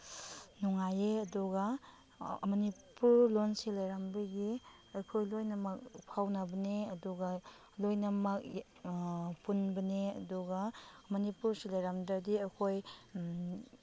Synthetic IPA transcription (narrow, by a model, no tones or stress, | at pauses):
nuŋajeɐduɡɐ | mɐnipuɾlonsilajɾambɐɡi | ɐjkʰojlojnɐmɐk̚pʰawnɐbɐneɐduɡɐ | lojnɐmɐk̚ | punbɐneɐ̰duɡɐmɐnipuɾsilajɾamdɐdiɐkʰoj